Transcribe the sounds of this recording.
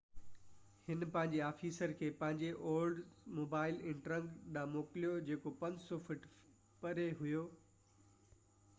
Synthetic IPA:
hɪnpɐ̃ɦɪ̃ɲd͡ʑeaːfiːsəɾkʰeːpɐ̃ɦɪ̃ɲd͡ʑeʔoːlɖmoːbaːɪlɪ̃ɳʈɾə̃ŋɡɗãmoːkɪlijod͡ʑeːkopɐ̃ɲd͡ʑsɔfɪʈ | pɐɾeɦʊjoː

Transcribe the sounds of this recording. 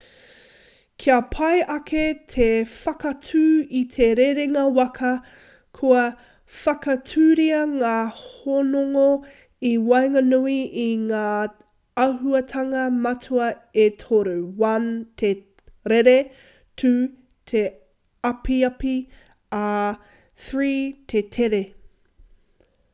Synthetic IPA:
kʰiɐpʰɐjʔɐkʰet̪ʰefɐkɐtʰʉːitʰeɾeɾeŋɐwɐkʰɐ | kʰuɐ | fɐkɐtʰʉːɾiɐŋaːhonoŋo | iwɐjŋɐnuiʔiŋaː | ɐɦuɐtʰɐŋɐmɐtʰuɐ | etʰoɾuwɐntʰe | ɾeɾe | tʰu | tʰe | ɐpiɐpi | a | θɹiːtʰetʰeɾe

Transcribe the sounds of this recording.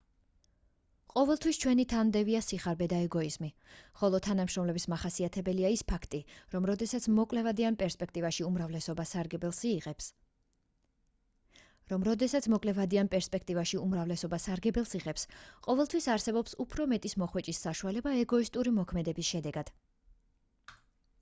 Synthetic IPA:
qʼɔvɛlˠt̪ʰwist͡ʃʰwɛnit̪ʰand̪ɛviasiχaɾbɛd̪aɛɡɔizmi | χɔlˠɔt̪ʰanamʃɾɔmlɛbismaχasiat̪ʰɛbɛliaispʰakʰt̪ʼiɾɔmɾɔd̪ɛsat̪sʰmɔkʼlɛvad̪ianpʼɛɾspʼɛkʰt̪ʼivaʃiumɾavlɛsɔbasaɾɡɛbɛlˠsiːɛps | ɾɔmɾɔd̪ɛsat̪sʰmɔkʼlɛvad̪ianpʼɛɾspʼɛk̚ʰt̪ʼivaʃiumɾavlɛsɔbasaɾɡɛbɛlˠsiʁɛpsqʼɔvɛlˠt̪ʰwisaɾsɛbɔpsupʰɾɔmɛt̪ʼismɔχwɛt͡ʃʼisːaʃualɛbaɛɡɔist̪ʼuɾimɔkʰmɛd̪ɛbisʃɛd̪ɛɡad̪̥

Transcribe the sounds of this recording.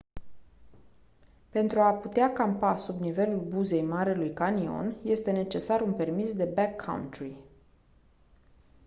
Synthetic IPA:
pe̞nt̪ɾuaput̪eakampasubnive̞lulbuze̞jmaɾelujkanio̞̰nje̞st̪e̞ne̞t͡ʃe̞saɾunpe̞rmisd̪e̞bakʰːa̰w̰nt̪ɾi

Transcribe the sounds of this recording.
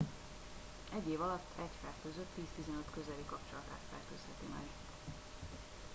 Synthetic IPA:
ɛɟːeːvɒlɒt̪ʰːɛcfɛrkøzøt̪ːiːst̪izɛnøt̪kø̞zɛlikɒpt͡ʃolɒt̪a̰ːt̪fɛrkøːshɛt̪imɛ̰ɡ | t̪

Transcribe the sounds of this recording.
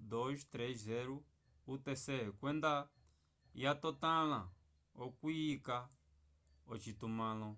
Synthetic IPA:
d̪oʒt̪ɾeʃzɛɾu | ut̪esɛkwɛ̃nd̪a | jat̪ot̪ãlã | okwiika | ot͡ʃit̪umãlɔ̃

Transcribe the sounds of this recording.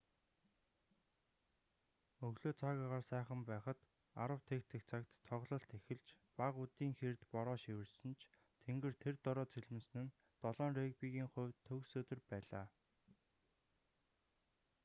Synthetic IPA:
ɵɣɮoːt͡sʰaːɣaːʁaːrsæːχə̆mpæːχə̆t̪ | a̰ɾə̆w̥t̪ʰekt̪ʰɘ̆kt͡sʰakt̪ʰːɔʁɮɞ̆ɬt̪ʰexɘ̆ɮt͡ɕ | paʁut̪iːŋxert̪pɔɾɔːʃiwɘ̆rsɘ̆nt͡ɕʰ | t̪ʰeŋɡɘ̆rt̪ʰert̪ɔɾɔːt͡sʰeɮmɘ̆ns̆nɘ̆n | t̪ɔɮɔːnreːkpiɣiːŋχʊ̟ːwt̪ʰːɵːksɵːt̪ɵ̆rpæːɮa̰ː

